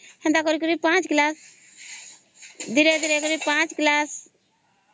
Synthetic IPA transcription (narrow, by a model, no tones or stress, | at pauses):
hə̃nd̪akɔɾikəɾipãt͡ʃklas | d̪iɾed̪iɾekəɾipãt͡ʃklas